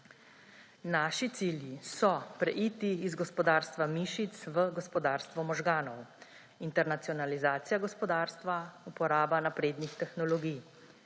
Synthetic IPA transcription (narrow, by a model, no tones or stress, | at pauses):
naːʃit̪siːljisɔpɾɛ̰ʔiːt̪iːzɡɔspɔd̪aːɾst̪ʋamiːʃit̪sʋəɡɔspɔd̪aːɾst̪ʋɔmɔʒɡaːnɔw | int̪ɛɾnat̪sijɔnalizaːt̪sijaɡɔspɔd̪aːɾst̪ʋaupɔɾaːbanapɾeːd̪nixt̪ɛxnɔlɔɡij